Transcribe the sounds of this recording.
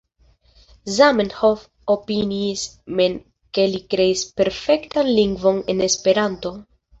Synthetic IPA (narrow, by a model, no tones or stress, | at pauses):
zamenhof | opinismen | ke̞likɾe̞ispe̞ɾfe̞ktanliŋɡvo̞ne̞ne̞spe̞ɾanto̞